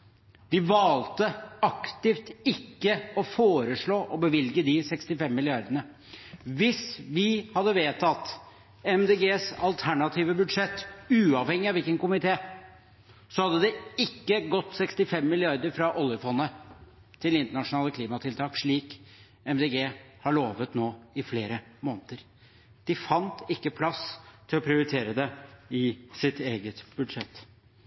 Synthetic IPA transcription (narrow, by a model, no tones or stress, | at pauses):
d̪ɪʋɑːlt̪əɑkt̪ɪft̪ɪkːəɔfoːɾəʂɭoːʔɔbəʋɪlɡəd̪ɪsɛkst̪ɪfɛmːɪlɪɑɾd̪əɳə | ʋɪsʋɪhɑd̪ːəʋeːt̪ʰɑt̪ | ɛmd̪eːɡeːsɑlt̪ʰæɳɑt̪ʰiːʋəbʉd̪ʂɛt̪ːʉːɑʋhɛŋːɪɑʋɪlkənkʊmɪt̪ʰeː | sɔhɑd̪ːəd̪ɛɪkːəɡɔt̪ːsɛkst̪ɪfɛmːɪlɪɑɾd̪əɾfɾɑʔɔljəfɔnːə | t̪ʰɪlɪnt̪əɳɑʂʊnɑːləkʰliːmɑt̪ʰɪlt̪ʰɑːkʂɭiːk | ɛmd̪eɡeːhɑɭoːʋət̪noːɪfleːɾəmoːnət̪əɾ | d̪̥ɪfɑnt̪ɪkːəpʰlɑst̪ʰɪlɔpʰɾɪʊɾɪt̪ʰeːɾəd̪ɛɪsɪt̪eːɡət̪b̥ʉd̪ʂɛt̪ː